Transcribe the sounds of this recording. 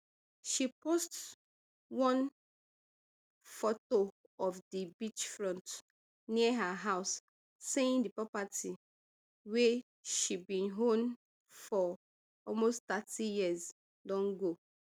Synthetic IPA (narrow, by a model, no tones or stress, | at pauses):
ʃipost | wɔ̃n | fɔto | ɔfdibit͡ʃfɹɔ̃nt | niəɦaɦaʊs | seĩndipɹɔpatʰi | we | ʃibĩnɦõn | fɔ | ɔlmosttatijiəz | dɔ̃nɡo